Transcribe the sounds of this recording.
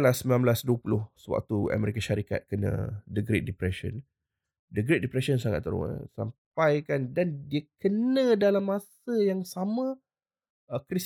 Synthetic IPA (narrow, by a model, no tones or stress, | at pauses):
lasəmbilãmblasduwəpulʊhsəwa̰k̚t̪ua̰mɛɾikaʃaɾika̰t̪̚kənə̰̃dəɡɾet̪̚dipɾɛʃə̰n | dəɡɾet̪̚dipɾɛʃənsaŋat̪ːəɾo̰ŋə̰sa̰mp̚ajkandandiəkənə̃dalamːasəjaŋsamə̃ | əkɾis